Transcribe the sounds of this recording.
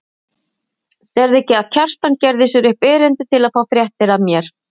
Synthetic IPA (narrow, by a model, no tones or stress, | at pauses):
sɛɾðɛcɪaðcʰar̥t̪ancɛɾðɪsʏɾʏhpɪːɾɪnt̪ɪt̪ʰɪlaðfaːwθɾjɛht̪ɪɾaðmjɛɾ̥